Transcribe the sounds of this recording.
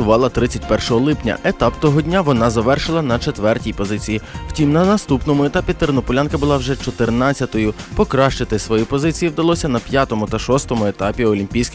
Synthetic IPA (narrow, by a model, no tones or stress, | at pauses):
ʊʋɑlˠɐt̪ɾɪt͡sʲɐtʲpɛrʃɔɦɔlˠɪpnʲɐ̰et̪ɑpt̪ɔɦɔdʲnʲaʋɔnɑzɐʋɛrʃɪlˠɐnɐt͡ʃet̪ʋɛrtʲijpɔzɪt͡sʲijiw̥tʲimnɐnɐst̪upnɔmʊet̪ɑpʲit̪eɾnɔpʊlʲankɐbʊlˠɑwʒɛt͡ʃɔt̪ɪrnɑt͡sʲːɐt̪ɔjʊpɔkɾɑʃt͡ʃɪt̪ɪsʋɔjipɔzɪt͡sʲijiwd̪ɐlˠɔsʲɐnɐpʲjat̪ɔmʊt̪ɐʃɔst̪ɔmʊet̪ɑpʲiɔlʲimʲpʲijsʲkʲɪ